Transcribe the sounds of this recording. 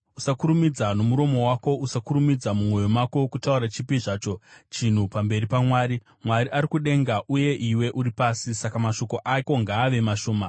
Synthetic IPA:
usakuɾumid͡zano̞muɾo̞mo̞wako̞ʔusakuɾumid͡zamumwo̞jomwako̞kutauɾat͡ʃipiʐaːt͡ʃo̞t͡ʃin̤upambe̞ɾipamwaːɾi | mwaɾiʔaɾikuɗe̞ŋɡaʔuje̞ʔiwe̞ʔuɾipaːsisakamaʃo̞ko̞ʔako̞ŋɡaːʋe̞maʃo̞ːma

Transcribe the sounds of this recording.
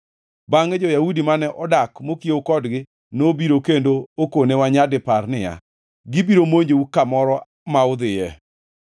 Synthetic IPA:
baŋɛd͡ʒɔjaudimanɛʔɔdakmokjeokɔdɡɪ | nobiɾokendookonewaɲadɪpaɾnɪja̰ | ɡibiɾomoɲd͡ʒeukamɔɾɔ | maʊd̪ɪjɛ

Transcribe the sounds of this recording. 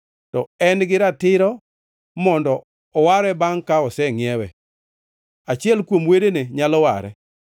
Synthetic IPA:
tɔɛnɡɪɾatɪɾɔ | mɔndɔː | waɾɛbaŋkaɔsɛŋjɛwɛ̰ | at͡ʃɪɛlkwomwedeneɲalɔwa̰ɾɛ̰

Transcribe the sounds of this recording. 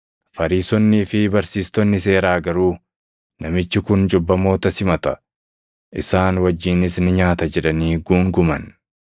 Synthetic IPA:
fɐɾiːsɔnːiːfɪbɐɾsiːst̪ɔnːɪs̬e̞ːɾaːɡɐɾuː | nɐmɪt͡ʃːɪkʊnd͡ʒɔbːɐmo̞ːt̪ɐsɪmɐt̪ɐ | ʔɪsaːnwɐd͡ʒːiːnɪsnɪɲaːt̪ɐd͡ʒɛᶑɐniːɡuːŋɡʊmɐ̰n

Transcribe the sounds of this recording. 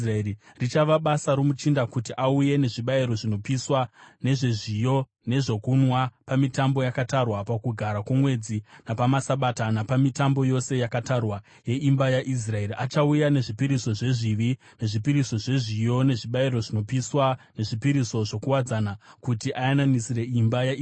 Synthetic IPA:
raeirit͡ʃaʋaɓasaɾomut͡ʃindakutiʔauje̞ne̞ʐiɓaiɾo̞ʐino̞piswane̞ʐe̞ʐijo̞ | ne̞ʐo̞kunwapamitambo̞jakatarwapakuɡʱaɾakwomwe̞d͡zinapamasaɓatanapamitambo̞jo̞se̞jakatarwa | je̞ʔimbajaʔis̬rae̞riʔat͡ʃaujane̞ʐipiɾiso̞ʐe̞ʐiʋi | ne̞ʐipiɾiso̞ʐe̞ʐijo̞ne̞ʐiɓaiɾo̞ʐino̞piswane̞ʐipiɾiso̞ʐo̞kuwad͡zanakutiʔajananisire̞imbaja

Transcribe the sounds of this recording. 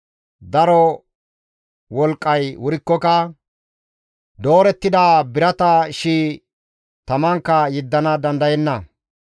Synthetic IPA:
d̪ɐɾɔ | wɔlkʼːɐjwʊɾɪkːɔkɐ | d̪o̞ːɾɛt̪ːɪd̪aːbɪɾɐt̪ɐʃiː | t̪ɐmɐŋkːɐjɪd̪ːɐnɐd̪ɐnd̪ɐjɛnːɐ

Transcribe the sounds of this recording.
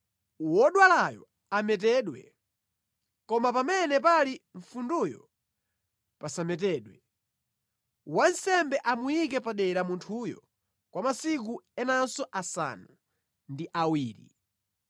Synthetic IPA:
wɔɗwalajɔ̰ | amɛt̬ɛɗwɛ̰ | kɔmapamɛnɛpaliɱfundujɔ | pasamɛt̬ɛːɗwɛ | wansɛmbɛʔamujik̬ɛpaɗɛɾamuntʰujɔ̰ | kwamasik̬uɛnansɔʔasa̰nu | ndiʔawiːɾi

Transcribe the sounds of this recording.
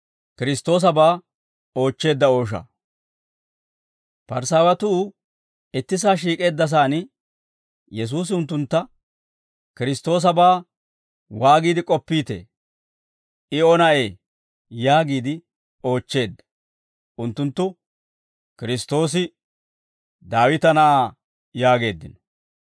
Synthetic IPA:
kɪɾɪst̪o̞ːs̬ɐbaː | o̞ːt͡ʃːe̞ːd̪ːɐo̞ːʃɐ̰ | pɐɾsaːwɐt̪ʊ | ɪt̪ːɪsaːʃ̬iːkʼe̞ːd̪ːɐs̬aːnɪ | jɛs̬uːs̬ɪʊnt̪ːʊnt̪ːɐ | kɪɾɪst̪ːo̞ːs̬ɐbaː | waːɡiːd̪ɪkʼɔpːiːt̪ḛː | ɪɔnɐʔeː | jaːɡiːd̪ɪ | o̞ːt͡ʃːe̞ːd̪ːɐ̥ | ʊnt̪ːʊnt̪ːʊ | kɪɾɪst̪o̞ːs̬ɪ | d̪aːwɪt̪ɐnɐaː | jaːɡe̞ːd̪ːɪnɔ̥

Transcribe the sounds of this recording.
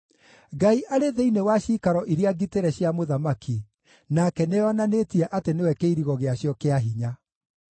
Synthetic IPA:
ɡaiʔaɾeðeinewaɕiːkaɾɔʔiɾeaɡiteɾɛɕjamoðamaki | nakɛneɔnanetiɛʔatenewɛkeiɾiɣɔɣeaɕjɔkeaɦiɲa

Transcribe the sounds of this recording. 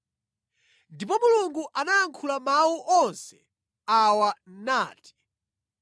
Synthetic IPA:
ndip̬ɔmuluŋɡuʔanaːŋkʰulamawuʔɔnsɛ | awanaːti̥

